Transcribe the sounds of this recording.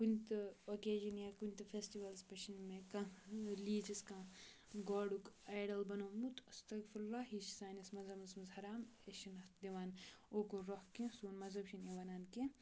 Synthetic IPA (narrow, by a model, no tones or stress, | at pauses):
kunʲt̪ɨokeːd͡ʒinjaːkunʲt̪ɨfʰesʈiʋɐlspɐʃinmẽkɐ̃liːd͡ʒiskãː | ɡoːɖukaːjɖɐlbɐnoːmut̪ʰɐst̪ɐɡfɐɾlaːɦiʃsaːnɐsmɐzɦɐmɐsmɐzhɐɾaːmeʃinɐt̪d̪iʋaːnoːkoɾohkẽsuːnmɐzɦɐbʃineʋɐnaːnkẽ